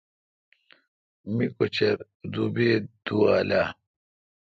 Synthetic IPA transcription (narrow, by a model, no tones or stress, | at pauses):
mikot͡ɕɐɾ | d̪ubeːd̪̥uwaːlaː